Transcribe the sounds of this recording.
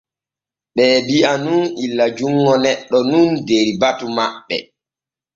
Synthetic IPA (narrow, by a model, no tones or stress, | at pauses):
ɓɛːbiʔanunilːad͡ʒuŋːɔnɛɗːɔnundeɾibatumaɓːɛ̰